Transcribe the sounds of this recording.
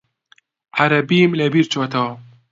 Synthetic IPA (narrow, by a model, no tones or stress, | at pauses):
ʕaɾɐbimlɐbiːɾt͡ʃot̪ʰa